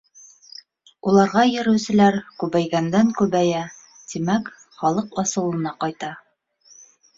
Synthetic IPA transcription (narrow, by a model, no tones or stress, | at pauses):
ulˠɑɾʁɑjɘ̆ɾɘ̆wsɘ̆læɾkʉβæjɡænd̪æŋkʉβæjæ | t̪imæk | χɒlˠɤqɑsɤ̆lˠɤ̆nɑqɑjt̪ɑ